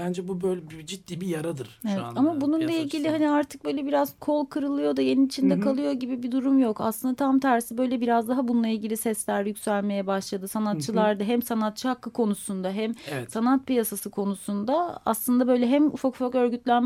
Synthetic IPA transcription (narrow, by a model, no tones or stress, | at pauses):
bænd͡ʒɛbubøjlʲɛbd͡ʒit̪̚d̪iːbijaɾad̪ɯɾ̥evɛt̪amabununlˠailʲɟilʲihaniaɾt̪ʰɯ̥k̚bø̞jlʲɛbiɾazkʰo̞lˠkʰɯɾɯlˠɯjo̞d̪aje̞ninit͡ʃʰind̪ɛkʰalˠɯjo̞ɟibibid̪uɾumjo̞ka̰slˠɯnd̪at̪ʰamt̪ʰæɾsibø̞jlʲɛbiɾazd̪aɦabununˠailʲɟilʲisɛslʲæɾjycʲsælʲme̞jɛbaʃlˠad̪ɯsanat̪t͡ʃʰːɯlˠaɾd̪aɦɛmsanat̪̚t͡ʃʰɯhakːɯkʰo̞nusund̪aɦɛmɛsanat̪̚pijasasɯkʰo̞nusund̪aa̰slˠɯnd̪abø̞jlʲɛɦɛmṵfakfakø̞ɾɟyt̪lʲæn